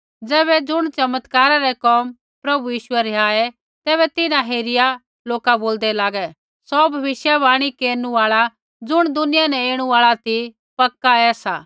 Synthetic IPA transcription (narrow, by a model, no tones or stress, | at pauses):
d͡zɛːβɛd͡zʊɽ̃t͡ʃɐmət̪kaːɾaɾɛkɔːm | pɾɐbujiːʃʊɛɾɛaːɛ | t̪ɛːbɛt̪ɪnãɦeːɾɪja | loːkaboːld̪ɛlaːɡɛ | sɔbʱɐʋɪsjabaːɽ̃ikeːɾnuaːɭa | d͡zʊɽ̃d̪ʊnɪjanɛ̃eːɽ̃uaːɭat̪i | pɐkːaɛːsa̰ː